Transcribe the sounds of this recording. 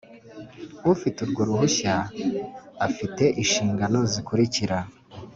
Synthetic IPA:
ufituɾɡo̞ɾuhuçaː | fite̞ʔiʃiːŋɡano̞zikuɾiciɾa

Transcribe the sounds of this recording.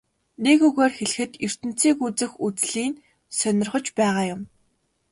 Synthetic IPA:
nekɵɣoːrxeɮ̆xɘ̆t̪ɵr̥t̪ɘ̆n̥t͡sʰiːkut͡sɘ̆xut͡sɮiːn | sœnʲɪ̆rχɞ̆t͡ɕpæːʁaːjʊm

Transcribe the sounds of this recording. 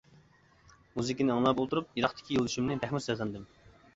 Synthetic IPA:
muzɪkʲinɪɑŋlˠɑpolˠt̪uɾup̚jeɾɑχt̪ʰɪ̥kʲʰijolˠd̪yʃumnɪbæhmusɛɑnd̪ɨm

